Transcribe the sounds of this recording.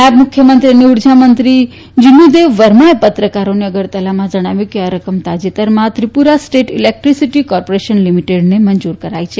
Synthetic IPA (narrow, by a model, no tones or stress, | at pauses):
amʊkʰːjəmənt̪ɾiəneuɾd͡ʒʱamənt̪ɾi | d͡ʒinːud̪eʋːəɾmaepət̪ɾəkaɾoneəɡəɾt̪əlamãd͡ʒəɽ̃aʋjũkeaɾəkəmt̪ad͡ʒit̪əɾmãt̪ɾipuɾasʈeʈilek̚ʈɾisiʈikɔɾpoɾeʃənlimiʈeɖnemənd͡ʒuɾkəɾait͡ʃʰe